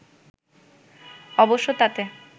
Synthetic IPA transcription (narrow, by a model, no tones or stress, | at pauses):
ɔboʃːot̪at̪e